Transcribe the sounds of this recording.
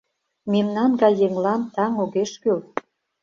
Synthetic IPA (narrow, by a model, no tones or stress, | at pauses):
memnɑnɡɑjːeŋlɑnt̪ɑŋoɣeʃkøl